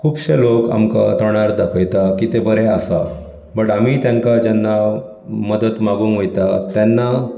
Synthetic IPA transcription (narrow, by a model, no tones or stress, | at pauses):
kʰuːbɕeloka̰mkat̪əɳ̃aɾd̪akʰəjt̪akit̪ebəɾeasa | bəɽamit̪jãŋkad͡ʑanːa | məd̪ət̪maɡũːnʋəjt̪at̪ɛnːa